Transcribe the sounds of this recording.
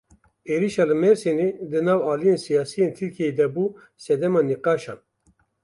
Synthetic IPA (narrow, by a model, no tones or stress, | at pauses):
eːɾiʃɑːlɨmɛɾsened̪ɨnɑːwɑːlijensijɑːsijeːnt̪ʰɨɾkʰied̪ɛbuː | sɛd̪ɛmɑːniqɑːʃɑ̰ːn